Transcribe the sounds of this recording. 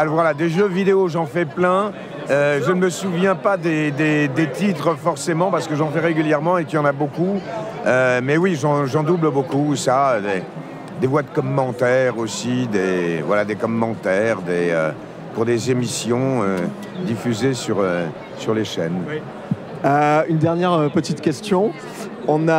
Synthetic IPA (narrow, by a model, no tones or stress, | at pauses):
alɔʁvwalad̪eʒøvid̪eoʒɑ̃fɛplɛ̃ | øʒənəməsuvjɛ̃pad̪ed̪ed̪et̪it̪χəfɔʁsemɑ̃paʁsə̥kəʒɑ̃fɛʁeɡʲyljɛʁmɑ̃ekijɑ̃naboku | ømɛwiʒɑ̃ʒɑ̃d̪ubləbokusaød̪e | d̪evwad̪əkɔmːɑ̃t̪ɛʁosid̪evwalad̪ekɔmːɑ̃t̪ɛʁd̪eø̰ | puʁd̪ezemisjɔ̃ø | d̪ifyzesyʁø | syʁleʃɛ̰n | øynd̪ɛʁnjɛʁøpət̪it̪kʲɛst̪jɔ̃ | ɔ̃na